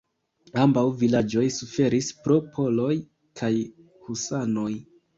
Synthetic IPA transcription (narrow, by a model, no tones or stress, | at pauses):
ambawvilad͡ʒo̞jsufe̞ɾispɾo̞pʰo̞lo̞j | kʰaj | husano̞j